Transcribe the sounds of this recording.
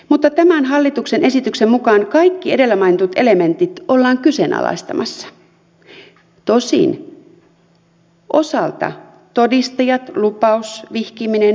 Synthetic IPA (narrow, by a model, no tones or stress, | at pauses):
mut̪ːɑt̪æmænɦɑlːit̪uksenʔe̞sit̪yksemmukɑːnkɑikːie̞de̞lːæmɑinet̪ut̪e̞lement̪it̪olːɑːŋkysenɑ̰lɑ̰ist̪ɑmɑsːɑ̥ | t̪o̞sḭn | ʔo̞sɑlt̪ɑ̰ | t̪odist̪ɑjɑt̪lupɑusʋihkiminen